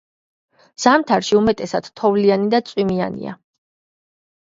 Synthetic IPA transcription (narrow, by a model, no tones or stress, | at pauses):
z̥amt̪ʰaɾʃiumɛt̪ʼɛsad̪̥t̪ʰɔvlianid̪at̪sʼwimia̰nḭa̰